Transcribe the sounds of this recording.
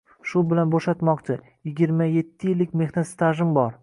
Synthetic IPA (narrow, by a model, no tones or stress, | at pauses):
ʃʊbɪlanboʃat̪mɒqt͡ʃʰɪ | jɪɡʲiɾmaje̞t̪ʰːɪjɪlːɪkʲme̞xnat̪st̪aʒɪmbɒɾ